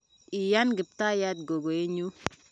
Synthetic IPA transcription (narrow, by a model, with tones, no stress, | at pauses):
i˨ja˦nɡɪ˨p̚t̪a˦ja˦t̪̚ɡo˨ɡo˨e˦ɲu˦